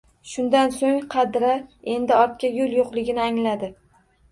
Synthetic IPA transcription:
ʃʊnd̪ansoŋqʰɑd̪ɾae̞nd̪ɪɒɾt̪̚kʲajolˠjoqlˠɪɡʲɪnɪaŋlad̪ɪ

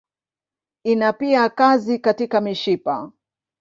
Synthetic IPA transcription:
inapiakazikatikamiʃipa̰

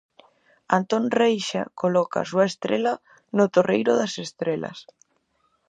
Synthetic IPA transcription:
ant̪onrejʃa̰kolɔka̰suɐest̪ɾela | not̪orejɾʊðasest̪ɾelɐ̰s

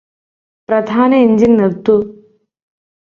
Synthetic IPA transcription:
pɾɐd̪ʱaːnɐiɲd͡ʒinːiɾt̪u

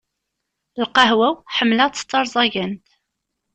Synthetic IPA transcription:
lqɑɦwæwħəmːlæt͡sːə̥t͡s̪ːɑɾˤzˤɑʝənt̪

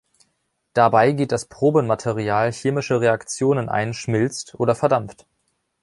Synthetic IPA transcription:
d̥abaɪɡeːt̚d̥aspʁ̥oːbənmatʰeʁiaːlçeːmɪʃəʁeakt͡sjoːnənʔa̰ɪnʃmɪlt͡stʔoːdɐfɛɐdamft

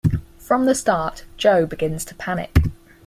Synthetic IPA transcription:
fɹə̃mðəstɑˑʔd̥ʒ̥əʊbɪɡɪ̃nz̥tʰəpʰanɪ̰k

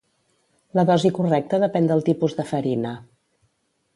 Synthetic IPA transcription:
ləðɔzikurɛk̚t̪əðəpɛnd̪əlˠt̪ipuzðəfəɾinə

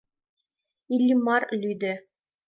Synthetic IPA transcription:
ilʲːimɑɾlʲyjd̪ɘ

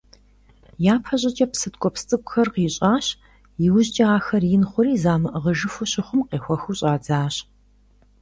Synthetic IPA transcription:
jaːpʰɐɕʼɐt͡ʃʼɐpsɨtkʷʼɔpst͡sʼɨkʷʼʊxɐrqiːɕʼaːɕ | jɪwʑt͡ʃʼɐaːxɐrjɪnχʷʊɾiːzaːmɨʔəʁəʒɨfʊɕɪχʷʊmqeːxʷɔxuɕʼaːd͡zaːɕ

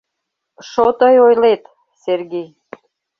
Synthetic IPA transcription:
ʃot̪əjojlet̪ | serɡej

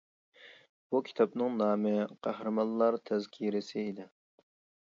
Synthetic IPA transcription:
b̥ukʲʰi̥t̪ʰɑpnɨŋnɑːmɪqʰæhɾɨmɑnlˠɑɾt̪ʰɛzkʲʰiɾɪsɪːd̪ɪ

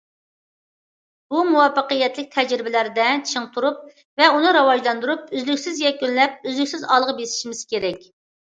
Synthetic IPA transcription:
b̥umuwɑfəqəjɛt̪lɪk̚ʲt̪ʰɛd͡ʒɾɪbɪlæɾd̪ɛt͡ʃʰɪŋt̪ʰuɾup̚ | vɛunɨɾɑwɑd͡ʒlˠɑnd̪uɾup̚yzlykʲsɪzjɛkʲːynlɛp̚øzlykʲsɪzɑlˠəʁbesi̥ʃimɪz̥kʲʰeɾɛkʲ

